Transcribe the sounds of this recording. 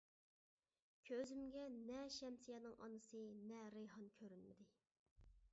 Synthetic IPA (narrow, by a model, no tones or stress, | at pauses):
kʲʰøzymɡʲɛnɛʃɛmsijɛnɨŋʔɑ̰nɨsɨnɛɾeɦɑnkʲʰøɾynmɪd̪ɪ